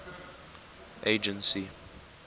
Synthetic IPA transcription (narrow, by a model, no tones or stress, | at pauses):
ʔeɪd͡ʒə̃nsi